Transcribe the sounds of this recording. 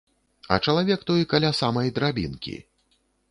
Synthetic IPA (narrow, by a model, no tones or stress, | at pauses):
ɐ̰t͡ʂɐlˠavʲɛkt̪ɔjkalʲasamɐjd̪ɾabʲḭnkʲḭ